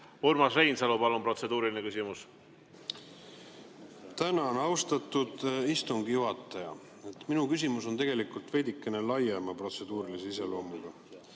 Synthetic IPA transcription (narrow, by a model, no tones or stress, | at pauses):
ormɑsrejnsɑlupɑlumpro̞t̪se̞d̪uːɾilinekysʲimus | t̪ænɑonɑwst̪ɑt̪ːˑud̪̥ist̪uŋɡijuɦɑt̪ˑːɑjɑ̰ | e̞t̪ːˑminukys̬ʲimuso̞nt̪e̞ɡ̥e̞likult̪ve̞jd̪ikːˑe̞ne̞lɑjemɑpro̞t̪se̞d̪̥uːɾiliseise̞lo̞ːmuɡ̥ɑ